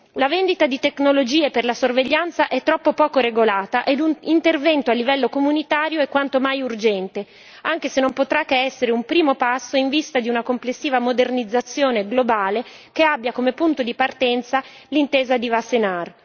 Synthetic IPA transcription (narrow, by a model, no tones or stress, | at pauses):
lavend̪it̪ad̪it̪eknolod͡ʒiːeperlasorveʎːant̪saʔɛt̪ːɾɔpːopɔːkoɾeɡolaːt̪aʔed̪unint̪ervɛnt̪oalːivɛlːokomunit̪aːɾjoɛkwant̪omajurd͡ʒɛnt̪e | aŋk̟esenːompot̪ɾakːeɛsːeɾeumpɾiːmopasːoiɱvist̪ad̪iunakomplesːiːvamod̪ernid̪zːat̪sːjoːneɡlobaːle | keabːjakomepunt̪od̪ipart̪ɛnt̪sa | lint̪eːzad̪ivasenar